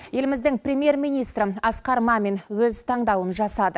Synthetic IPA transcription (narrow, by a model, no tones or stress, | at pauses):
je̞lɪmɪzd̪ɪŋprʲemje̞rmijnijst̪ɾɪɑsqɑɾmɑme̞nwɵzt̪ʰɑɴd̪ɑwənʒɑsɑd̪ə